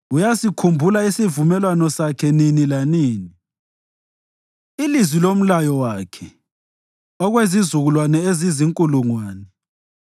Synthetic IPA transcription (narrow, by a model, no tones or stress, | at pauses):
ujasikʰumbʱulaisivumɛlwanɔsakʰɛninilaniːni | ilizwilom̩lajɔwakʰɛ | ɔɣwezizuɣulwanɛeziziŋkʼuluŋwaːnɛ